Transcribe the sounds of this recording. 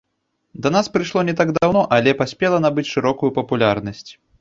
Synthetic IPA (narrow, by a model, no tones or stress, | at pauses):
d̪ɐnaspɾɨʂlˠɔnʲɛt̪aɡd̪awnɔʔalʲɛpasʲpʲɛlˠɐnabɨt͡sʲʂɨɾɔkujupɐpulʲarnɐsʲt͡sʲ